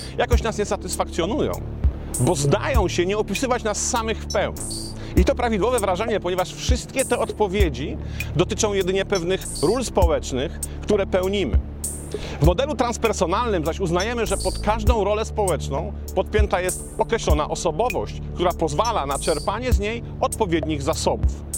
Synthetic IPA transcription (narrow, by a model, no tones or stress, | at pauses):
jakɔɕt͡ɕnasɲɛsat̪ɘsfakt̪sjɔnujɔ̰̃w̃ | bɔzd̪ajɔ̃w̃ɕɛɲɛɔpʲisɘvat͡ɕnasːamɘxfpɛwɲi | it̪ɔpɾavʲid̪wɔvɛvɾaʐɛɲɛpɔɲɛvaʂfʂɘst̪kʲɛt̪ɛɔt̪pɔvʲjed͡ʑi | d̪ɔt̪ɘt͡ʂɔ̃w̃jɛd̪ɘɲɛpɛvnɘx | ɾulspɔwɛt͡ʂnɘx | kt̪uɾɛpɛwɲimɘ̰ | vmɔd̪ɛlut̪ɾanspɛɾsɔnalnɘmzaɕuznajɛmɘʐɛpɔt̪kaʐd̪ɔ̃w̃ɾɔlɛspɔwɛt͡ʂnɔ̃w̃ | pɔt̪̚pʲjɛnt̪ajɛst̪ɔkɾɛɕlɔna̰ʔɔsɔbɔvɔɕt͡ɕk̚t̪uɾapɔzvalanat͡ʂɛɾpaɲɛzɲej | ɔt̪pɔvʲjed̪ɲiɣzasɔbuf